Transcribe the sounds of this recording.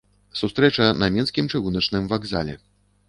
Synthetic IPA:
sust̪ɾɛt͡ʂɐnɐmʲɛnskʲimt͡ʂɨɣunɐt͡ʂnɨmvaɡza̰lʲɛ̰

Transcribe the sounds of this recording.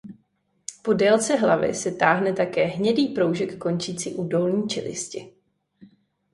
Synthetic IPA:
po̞dɛlt͡sɛɦlavɪ̰sɛt̪aːɦnɛt̪akɛːɦɲɛdiːpɾo̞wʒɛkːo̞nt͡ʃiːt͡sḭːʔuːdo̞lɲiːt͡ʃɪ̰lɪ̰scɪ̰

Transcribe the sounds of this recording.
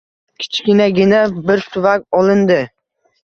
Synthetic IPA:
kʲʰɪ̥t͡ʃkʲɪnaɡʲɪnabɪɾt̪ʰʊvakʲɒlˠɪnd̪ɪ

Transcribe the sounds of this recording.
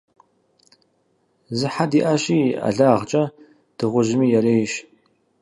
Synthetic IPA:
zɨħadiːʔaɕiːa̰ɮaːʁt͡ʃʼɐ | d̥ɨʁʷʊʒɪmiːjɛreːjʃ

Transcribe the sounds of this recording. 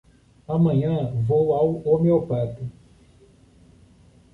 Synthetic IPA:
amɐ̃ɲɐ̃vowawomewpat̪ɪ

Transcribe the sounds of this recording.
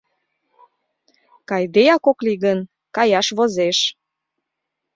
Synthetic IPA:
kɑjd̪ejɑkokliɣən | kɑjɑʃβozeʃ

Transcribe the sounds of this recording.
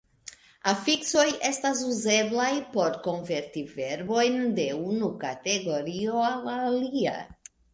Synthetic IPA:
afikso̞jestazuzeblajpoɾkonveɾt̪iveɾbo̞jnd̪e̞unukat̪eɡo̞ɾioalaːlia̰

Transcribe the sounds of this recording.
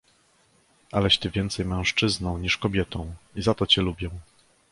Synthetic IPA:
ʔalɛɕt̪ɘvʲjɛnt̪sɛjmɛ̃w̃ʂt͡ʂɘznɔ̃w̃ɲiʂkɔbʲjɛt̪ɔ̃w̃izat̪ɔt͡ɕɛlubʲjɛw̃

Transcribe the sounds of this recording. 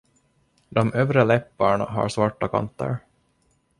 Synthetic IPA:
d̪ɔmœːvɾalɛpːaɳaɦa̰ɾsvaʈːakʰa̰nt̪ːə̰ɾ

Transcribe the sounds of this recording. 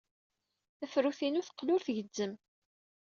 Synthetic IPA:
æfɾuθinʊθə̥qːlʊɾθʝədːəm

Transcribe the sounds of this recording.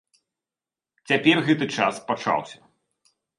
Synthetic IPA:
t͡sʲapʲɛrɣɛt̪ɨt͡ʂa̰spat͡ʂa̰wsʲɐ

